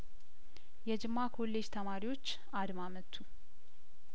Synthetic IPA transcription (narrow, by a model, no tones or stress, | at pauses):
jɛd͡ʒɨmːakʰo̞lːe̞d͡ʒt̪ʰəmaɾiwo̞t͡ʃː | ad̪ɨmamət̪ʰːu